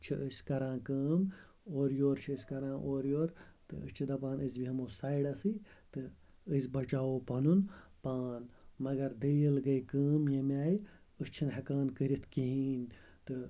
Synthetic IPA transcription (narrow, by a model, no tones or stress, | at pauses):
t͡ʃʰiʔɨsʲkɐɾãːkəːm | oːɾjoːɾt͡ʃʰiɨsʲkɐɾãːʔoːɾjoːɾt̪ɨ̰ɨ̰t͡ʃʰid̪ɐpãːnɨzbiɦɐmoːsaːiɽɐsɨt̪ɨ | ɨzʲbɐt͡ʃaːoːpɐnunpaːnmɐɡɐɾd̪ɨlilɡɐjkəːmjɐmaːji | ɨst͡ʃʰinɦɐkaːnkɨɾʲit̪ʰkiɦiːn | t̪ɨ